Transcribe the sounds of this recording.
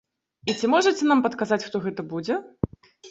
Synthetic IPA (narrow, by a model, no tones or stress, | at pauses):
it͡sʲimɔʐɐt͡sʲɛnampɐt̪kazat͡sʲxt̪ɔɣɛt̪ɐbud͡zʲɛ